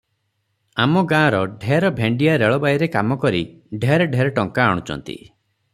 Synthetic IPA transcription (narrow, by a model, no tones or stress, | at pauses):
amɔɡãːɾɔɖʱeɾɔbʱeɳɖijaɾeɭɔbajɾekamɔkɔɾiɖʱeɾeɖʱeɾeʈɔŋkaːɽ̃ut͡ʃɔ̰nt̪ḭ